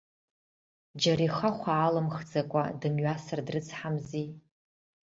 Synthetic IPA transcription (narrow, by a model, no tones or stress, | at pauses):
d͡ʒariχaχʷaːlɨmχd͡zakʷʼadɨmɥasɨrdrɨt͡sʰħamzi